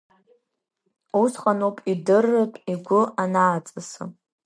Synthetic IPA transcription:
usχanopʼidɨrːɨtʼiɡʷʊanaːt͡sʼɨsɨ̰

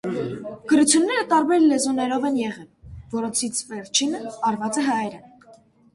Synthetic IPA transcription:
ɡ̥əɾut͡sʰjunːɛɾət̪ɑɾbɛɾlɛzɔnɛɾɔvɛnjɛʁɛlvɔɾɔnt͡sʰit͡sʰvɛɾt͡ʃʰinəɑɾvɑt͡sɛɦɑjɾɛ

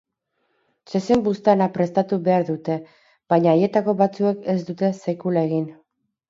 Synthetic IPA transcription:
t͡ʃesembust̪eanapɾe̞st̪at̪uβe̞aɾðut̪e̞ | b̥ajɲaːje̞t̪ako̞βat͡sue̞ke̞zd̪ut̪e̞sekulae̞ɣin

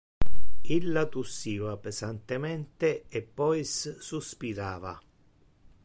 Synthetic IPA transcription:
ilːat̪usːiːvapezant̪emɛnt̪eepːɔjssuspiɾaːva̰

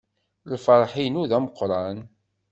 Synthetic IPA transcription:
lfɑɾˤħinuðæməqːɾˤɑn

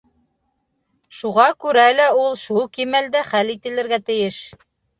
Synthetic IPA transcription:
ʃuʁɑkʉɾælæulˠʃulˠkimæld̪æχælit̪ɘ̆lɘ̆ɾɡæt̪ɘ̆jɘʃ

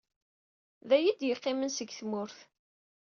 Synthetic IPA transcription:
ðæjid̪jəqːɪmənsəɡθmʊɾθ

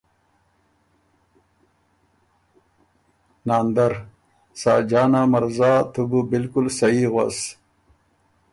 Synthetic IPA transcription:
naːnd̪ɐɾ | sa̰ːd͡ʑaːnamɐɾzaːt̪ububilkulsɐiɣwa̰s

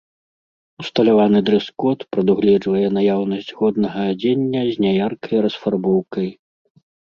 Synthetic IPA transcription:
ust̪ɐlʲavanɨd̪ɾɨskɔt̪pɾɐd̪uɣlʲɛd͡ʐvɐjɛnajawnɐsʲd͡zʲɣɔd̪̚nɐɣɐːd͡zʲenʲːɐzʲnʲajarkɐjɾɐsfarbɔwkɐj

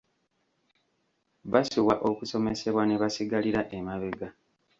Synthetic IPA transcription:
βasiwaʔo̞kuso̞me̞se̞βwane̞βasiɡaliɾaʔe̞maβe̞ɡa

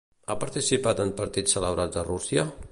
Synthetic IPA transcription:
apəɾt̪isipat̪ənpəɾt̪isːələβɾad͡zərusjə

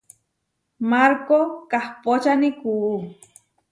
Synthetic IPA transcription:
maɾkokahpot͡ʃanikuː

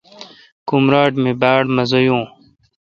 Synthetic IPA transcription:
kumɾaːʈmẽːbaːɽmɐzojũː

